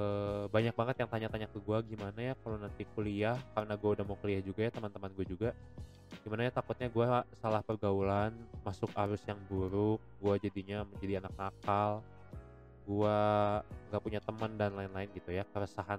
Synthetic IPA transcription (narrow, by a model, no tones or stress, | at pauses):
əbaɲak̚baŋət̪jaŋt̪aɲat̪aɲakəɡuaɡimanajakalonant̪ikuliahkarənaɡuaudahmakəliahd͡ʒuɡajat̪əmənt̪əmanɡuad͡ʒuɡa | ɡ̥imanaɲat̪akʊt̪̚ɲaɡuasalahpərɡaulanmasʊkaɾʊsjaŋbuɾʊk̚ɡuad͡ʒadiɲaməɲd͡ʒadianak̚ŋakal | ɡua | ŋɡaʔpuɲat̪əməndanlaɪnlaɪnɡit̪ujakəɾəsaɦan